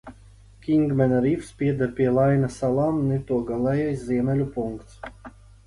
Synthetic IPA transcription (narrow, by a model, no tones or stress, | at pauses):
kʲiŋɡmɛnaɾifspʲiɛd̪aɾpʲiɛlˠajnasalˠaːmnɛt̪uɔɡalˠɛjajszʲiɛmʲɛlʲupuŋkt̪s